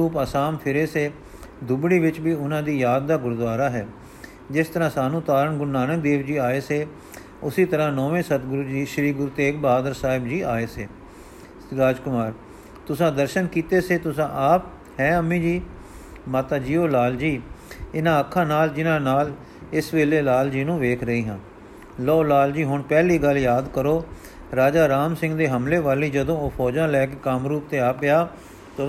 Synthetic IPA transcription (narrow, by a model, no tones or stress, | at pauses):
uːpaːsaːmpʰɪɾeːseː | d̪ʊbɽiːʋɪt͡ʃbiːʊnãːd̪iːjaːd̪̚ːaːɡʊɾd̪ʋaːɾaːɦɛː | d͡ʒɪst̪əɾãːsaːnũːt̪aːɾəɳɡʊɾnaːnək̚d̪eːʋd͡ʒiːaːeːseː | ʊsiːt̪əɾãːnɔːʋẽːsət̪ɡʊɾuːd͡ʒiːʃəɾiːɡʊɾuːt̪eːkbaːd̪əɾsaːɦɪbd͡ʒiːaːeːseː | ɾaːd͡ʒkʊmaːɾ | t̪ʊsãːd̪əɾʃənkiːt̪eːseːt̪ʊsãːʔaːp̚ | hɛ̃ːəmːĩːd͡ʒiː | maːt̪aːd͡ʒiːoːlaːld͡ʒiːɪnãːəkʰːãːnaːld͡ʒɪnãːnaːl | ɪsʋeːleːlaːld͡ʒiːnũːʋeːkʰɾəiːɦə̃n | lɔːlaːld͡ʒiːɦʊɳpɛːliːɡəljaːd̪kəɾoː | ɾaːd͡ʒaːɾaːmsɪ̃ŋɡd̪eːɦəmleːʋaːliːd͡ʒəd̪õːoːpʰɔːd͡ʒãːlɛːkeːkamɾuːp̚t̪eːaːpɪaː | t̪o